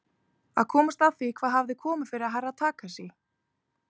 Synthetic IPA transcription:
a̰ðkʰɔːmast̪aðθikʰv̥aːðɦavðɪkʰɔːmʏ̥fɪɾɪɾaɦarːaðt̪ʰaːkasjɛ

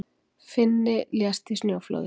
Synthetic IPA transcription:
fend̪eljast̪izneoflo̰ð

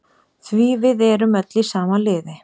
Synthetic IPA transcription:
θviːvɪðɛːɾʏmɛt̪lisaːmalɪːðɪ

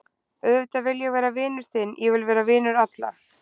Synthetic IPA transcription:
œðt̪avɪljɛɣvɛːɾavɪːnʏɾ̥θɪnːjɛvɪlvɛːɾavɪːnʏɾat̪la̰

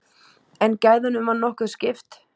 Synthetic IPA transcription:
ɛncaːjðʏnʏmvanːɔhkʏ̥scɪft̪

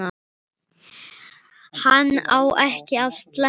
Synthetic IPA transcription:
a | hanːa̰wʔɛhcɪaðst̪lɛ

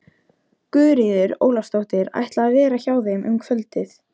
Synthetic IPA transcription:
kʏːɾiðɪɾo̰ːwlast̪owht̪ɪɾa̰jht̪laːðvɛːɾaçaːwðɪmʔʏ̰mkʰvœlt̪ɪθ

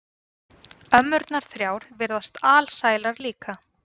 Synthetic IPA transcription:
œmːʏɾt̪naɾ̥θɾjaːwɾvɛɾðast̪aːlsaːjlaɾliːka

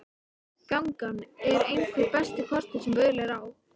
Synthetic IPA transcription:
kawŋkanɛɾejŋkʰvɪpɛst̪ɪkʰɔr̥t̪ɪ̥sɛmvœjɾlɛɣɾaːw

